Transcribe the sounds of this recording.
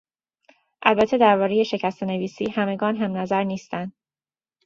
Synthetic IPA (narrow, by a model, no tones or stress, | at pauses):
ʔælbæt̪ʰːe̞d̪æɾbɒːɾe̞je̞ʃe̞cʰæst̪ene̞viːsiːhæme̞ɡɒːnɦæmnæzæɾniːst̪ænd̪